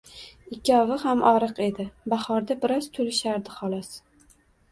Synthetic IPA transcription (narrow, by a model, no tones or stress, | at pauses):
ɪkʲʰːɒvɪhamʔɒɾɨqe̞d̪ɪbahɒɾd̪abɪɾɒz̥t̪ʰolɪʃaɾd̪ɪχɒlˠɒs